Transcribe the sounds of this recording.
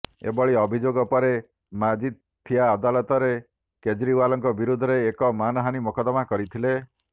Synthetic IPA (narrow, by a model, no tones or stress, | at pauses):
ḛbɔɭiɔbʱid͡ʒoɡɔpɔɾe | mad͡ʒit̪ | t̪ʰːijaːd̪alɔt̪ɔɾe | ked͡ʒɾiwalɔŋkɔbiɾud̪ʱɔɾeːkɔmanɔɦanimɔkɔd̪ɔmakɔɾit̪ʰile